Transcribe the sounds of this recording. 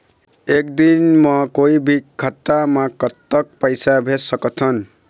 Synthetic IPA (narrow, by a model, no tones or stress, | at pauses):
ek̚d̪inmʌkoibʱikʰʌt̪ːamakʌt̪ːʌk̚pʌjsabʱesʌkɔt̪ʰʌn